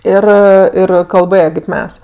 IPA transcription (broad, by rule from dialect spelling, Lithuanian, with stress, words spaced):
ˈɪr ˈɪr kɐlˠˈbɘjɛ kɐɪp ˈmʲɛs